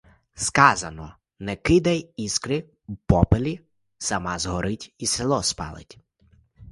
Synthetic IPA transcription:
skɑzɐnɔ | nɛkɪd̪ɐjiskɾɪ | wpɔpelʲi | sɐmɑzɦɔɾɪtʲiselˠɔspɑ̰lˠɪ̰tʲ

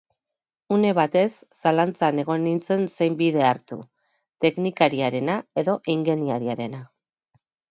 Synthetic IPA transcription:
une̞βat̪e̞sːalant͡sane̞ɣ̞o̞nint͡se̞nse̞jmbiðe̞aɾt̪u | t̪e̞knikaɾiaɾe̞nae̞ðo̞ʔiŋɡe̞niaɾiaɾe̞na

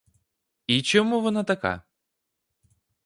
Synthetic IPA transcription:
it͡ʃɔmuʋɔnat̪ɐka̰

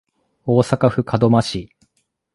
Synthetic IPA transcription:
oːsakaɸɯ̟kʰad̪o̞maɕi

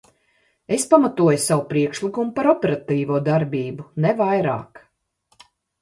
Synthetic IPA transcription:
e̞spamat̪uɔjsawupɾiɛkʃlikumupaɾɔpʲɛɾat̪iːvuɔːd̪aɾbiːbunɛvajɾa̰ːk

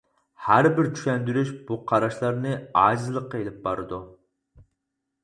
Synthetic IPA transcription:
hæɾbɪɾt͡ʃʰy̥ʃʲɛnd̪yɾyʃb̥uqʰɑɾɑʃlˠɑɾnɨɑːzɨlˠəqːɑelɪp̚bɑɾɨd̪u

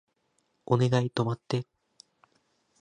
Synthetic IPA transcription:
o̞ne̞ɡait̪o̞mat̪ːe

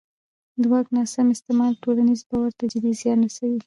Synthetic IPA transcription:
d̪wɑɡnɑsamɪst̪ɪmɑlʈolanizbɑwaɾt̪ad͡ʒɪd̪izjɑnɾasawi

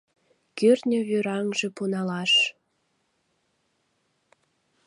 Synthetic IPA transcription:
kyrnʲøβyɾɑŋʒĕpunɑlɑʃ

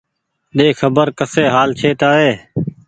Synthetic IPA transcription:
ɗeːxʰəbəɾkəseːɦaːlt͡ʃʰeːt̪aːɦeː

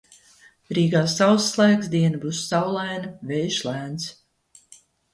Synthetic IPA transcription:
ɾiːɡaːsawslˠæːksd̪iɛnɨbuːsːawlˠæjnɨvɛjʃlæːns

